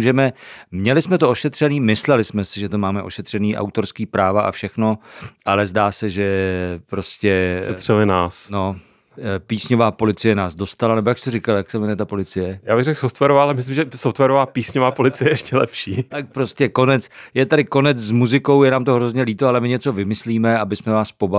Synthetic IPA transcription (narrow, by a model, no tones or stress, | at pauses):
uʒɛmɛmɲɛlɪsmɛt̪ooʃɛt̪r̝̥ɛniːmɪslɛlɪsmɛsɪʒɛt̪omaːmɛʔo̞̰ʃɛt̪r̥ɛniːʔa̰wt̪o̞ɾskiːpɾaːvaʔa̰fʃɛxno̞ʔalɛzdaːsɛʒɛpɾo̞scɛrɛlɪnaːsno̞ | piːsɲo̞vaːpo̞lɪt͡sɪjɛnaːzdo̞st̪alanɛbo̞jakst̪ɛɾɪkaljaksɛmɛnɛt̪apo̞lɪt͡sɪjɛjaːbɪɣrɛxsoft̪vɛɾovaːalɛmɪs̬lɪmʒɛsoft̪vɛɾovaːpiːsɲovaːpolɪt͡sɪjɛɛʃcɛlɛ̰pʃiːt̪ak̚pɾo̞scɛko̞nɛt͡sjɛt̪aɾɪko̞nɛt͡szmuzɪko̞wjɛnaːmt̪oɦɾo̞zɲɛliːt̪oalɛmɪɲɛt͡so̞vɪmɪsliːmɛabɪsmɛvaːspo̞ba